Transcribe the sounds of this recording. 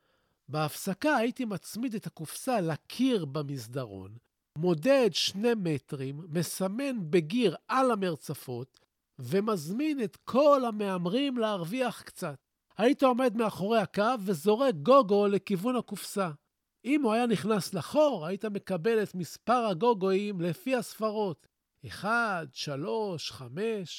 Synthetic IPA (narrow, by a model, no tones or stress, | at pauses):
beafsakaːitimat͡smide̞t̪hakufsalakʰiʁbemizdaʁo̞̰n | mo̞de̞ːdʃne̞metʁimːe̞same̞nbe̞ɡiʁalame̞ʁt͡safo̞t̪ | ve̞mazmine̞tkʰo̞lhame̞amʁimleːʁviaχkt͡sat̚ | haitao̞me̞dmeaχo̞ʁe̞hakavːe̞zo̞ʁe̞ɡo̞ɡo̞le̞kivunhakufsa | imuajaniχnaslaχo̞ʁaitame̞kabe̞le̞tmispaʁaɡo̞ɡo̞imle̞fihasfaʁo̞t | eχadʃalo̞ʃχame̞ʃ